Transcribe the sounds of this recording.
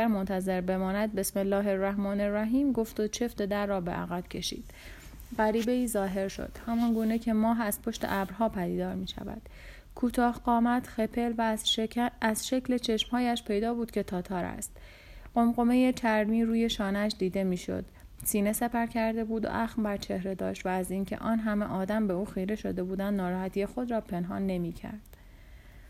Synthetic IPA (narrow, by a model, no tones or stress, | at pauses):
æɾmont̪ʰæze̞ɾbe̞mɒːnæd̪̚be̞smelːɒːɦe̞ræhmɒːneræɦiːmɡo̞ft̪ot͡ʃʰe̞ft̪ed̪æɾːɒːbe̞̰ʔæ̰ɣæb̥cʰe̞ʃḭːd̪̥ | ɢæɾiːbe̞iːzɒːɦe̞ɾʃo̰d̪̥hæmɒːnɡuːne̞cʰe̞mɒːɦæz̥pʰo̞ʃt̪e̞̰ʔæbɾɦɒːpʰæd̪iːd̪ɒːɾmiːʃæ̰væ̰d̪̥ | kʰuːt̪ʰɒːhɢɒːmæt̪ʰxepʰe̞lvæ | æz̥ʃecʰlet͡ʃʰe̞ʃmhɒːjæʃpʰe̞jd̪ɒːbuːd̪̥cʲʰe̞t̪ʰɒːt̪ʰɒːɾæ̰st̪ | ɢ̥o̞mɢo̞me̞jet͡ʃʰæɾmiːɾuːje̞ʃɒːnæʃd̪iːd̪e̞miːʃo̞̰d̪̥ | siːne̞sepæɾcʰæɾd̪e̞buːd̪o̰ʔæxmbæɾt͡ʃʰe̞hɾe̞d̪ɒːʃt̪væːziːncʰe̞̰ʔɒːnɦæmḛʔɒːd̪æmbe̞uːxejɾe̞ʃo̞̰d̪e̞buːd̪ænd̪nɒːɾɒːhæt̪ijexo̞d̪ɾɒːpʰe̞nɦɒ̰ːnːe̞miːcʰæ̰ɾd̪̥